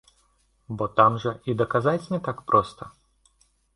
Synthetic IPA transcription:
bɔt̪amʐɐʔid̪ɐkazat͡sʲnʲɛt̪akpɾʔɔst̪ɐ

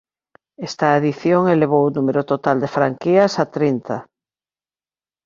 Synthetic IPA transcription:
ɛst̪aeðiθjoŋeleβ̞owunumeɾʊt̪ot̪ald̪efɾaŋkiɐsat̪ɾint̪a

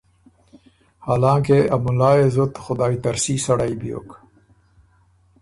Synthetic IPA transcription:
haːlɑ̃ːkeamʊlɑːezʊt̪xʊd̪ɑːit̪aɾsisaɽajbijo̰k

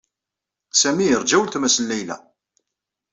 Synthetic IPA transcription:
sæmijəɾd͡ʒæwəlt̪mæsənːæjlæ̰

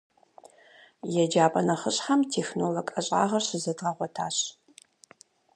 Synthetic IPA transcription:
jɛd͡ʒaːpʼɐnɐχəɕħamtʰeːxnoːlokʼɐɕʼa̰ːʁɐrɕɪzɐdʁɐʁʷɔtʰaːɕ

